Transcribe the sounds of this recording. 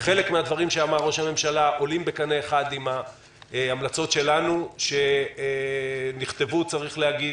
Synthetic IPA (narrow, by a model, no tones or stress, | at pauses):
χe̞lekmead̪vaʁimʃeamaʁːo̞ʃhame̞mʃalaʔo̞limbe̞kaneːχad̪ima | amlat͡so̞tʃe̞lanuʃe̞ | niχt̪e̞vut͡saʁiχlehaɡi